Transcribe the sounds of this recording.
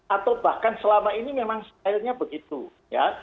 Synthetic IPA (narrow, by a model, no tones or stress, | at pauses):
ʔat̪awbahkansəlamainimemaŋst̪aɪlɲabəɡit̪u | ja̰